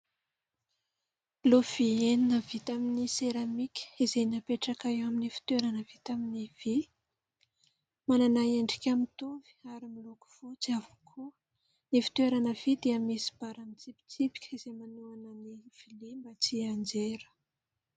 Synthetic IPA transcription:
lov̥ieninəvit̪aminiseɾamikʲə̥izejnapeʈ͡ʂakajaminifi̥t̪weɾanəvit̪aminiv̥i | mananaeɳɖ͡ʐikʲamit̪umvi̥aɾimiloku̥v̥ot͡siavukʰu | nifi̥t̪weɾanəv̥id̪iəmisi̥b̥aɾamint͡sipi̥t͡sipi̥kʰʲiz̥emanuanəniv̥ilimbət͡siand͡ʒeɾə̥

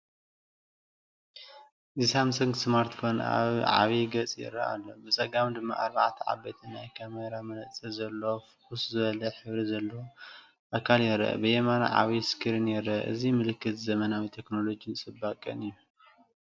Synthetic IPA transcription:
zisamsɨŋɡsmaɾt̪kʰon̰a̰βʕa̰βiɡɐt͡sʼjɛ̰ɾɐ̰ʔa̰lːo̞̰bɨt͡sʼɐɡamd̪ɨmːa̰ʔaɾbaʕt̪ʰɐʕa̰bet̪ʰinajkʰameɾamɐnɐt͡sʼɐzɐlːofɨkʼuszɨβɐlɐħɨβɾizɐlːo | ʔakʰaljɛɾɐ̰ʔɐ̰bɨjemana̰ʕa̰βiskʰɨɾinjɛɾɐʔʔɨ̰zimɨlɨkʰːɨt̪zɐmɐnawit̪ʰe̞kno̞lo̞d͡ʒijnt͡sʼɨbːakʼɨ̰nɨjːu

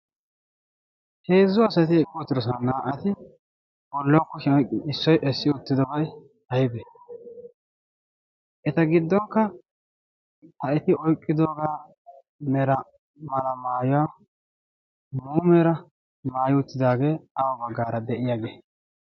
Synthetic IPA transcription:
he̞ːzːʊɐsɐt̪ɪɛkʼːɔɔt̪ːɪd̪ɔs̬ɐɐnːaːʔɐt̪ɪ | bɔlːɔkːɔɪsːɔjʔɛsːɪʊt̪ːɪd̪ɔbɐj | hɐjɪbe | ʔɛt̪ɐɡɪd̪ːɔŋkːɐ | hɐɛt̪ɪʔɔjkʼːɪd̪oːɡaː | mɛɾɐ | mɐlɐmaːjʊwaː | muːmɛɾɐ | maːjɪʊt̪ːɪd̪aːɡe̞ːɐwɐbɐɡːaːɾɐd̪ɛʔɪjaːɡeː

